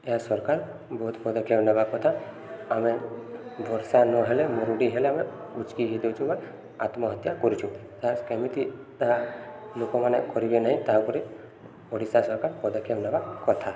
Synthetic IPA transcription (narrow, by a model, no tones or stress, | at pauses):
easɔɾkaɾ | bɔɦut̪pɔd̪ɔkʰebnabakɔt̪ʰa | amɛb̪ʱɔɾsanɔɦɛlɛmɔɾuɖiɦɛlɛamɛut͡ʃkiɦid̪ɔt͡ʃʰũba | a̰t̪mɔɦɔt̪jakɔɾit͡ʃʰũt̪aɾkemit̪it̪aɦalokɔmanekɔɾibɛnaɦĩt̪aɦãpuɾi | ɔɽisasɔɾkaɾpɔd̪ɔkʰjebnabakɔt̪ʰa